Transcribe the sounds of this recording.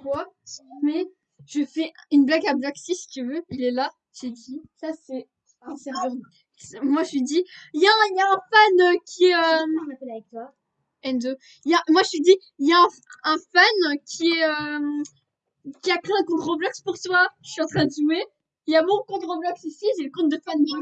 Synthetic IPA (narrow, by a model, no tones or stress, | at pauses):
kwasmɛ | ʒ̥əfɛynblaɡablɔksisi̥t̪yvøilɛla | zed̪isasɛ̃ | sɛ | smwaʒid̪iljaɛ̃iljaɛ̃fanøkʲʰiɛøapɛlavɛk̚t̪wa | ɛnd̪ø | iljamwaʒəsid̪i | iljaɛ̃ | ɛ̃fankʲʰiɛø | kʲiakχeɛ̃kɔ̃t̪χɔblɔkspuʁt̪waʃɥiɑ̃t̪χɛ̃d̪əʒume | iljamɔ̃kɔ̃t̪ʁəblɔksisiʒeləkɔ̃t̪̚d̪əfand̪